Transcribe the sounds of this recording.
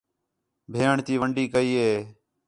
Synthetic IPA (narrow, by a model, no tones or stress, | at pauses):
bʱeːəɳt̪iːʋəɳɖiːkəiːɦeː